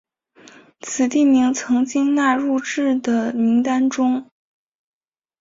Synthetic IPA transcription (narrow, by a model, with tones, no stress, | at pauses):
t͡s̩ʰ˨˩t̪i˥˩ni˧˥ŋt͡sʰɤ˧˥ŋt͡ɕi˥ŋna˥˧ɻu˥˧ʈ͡ʂɻ̩˥˩d̪ə˩ni˧˥ŋt̪a˥nʈ͡ʂʊ˥ŋ